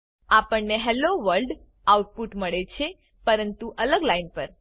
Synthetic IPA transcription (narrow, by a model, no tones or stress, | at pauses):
apəɳneɦɛloʋəɾlɖ | awuʈ̚puʈməɭet͡ʃʰe | pəɾənt̪uʔələɡlajnpəɾ